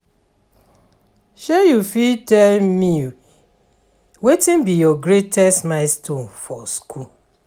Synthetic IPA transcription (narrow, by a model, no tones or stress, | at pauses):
ʃejufitɛlmi | wetĩnbijɔɡɾetɛstnaɪstõnfɔskʰu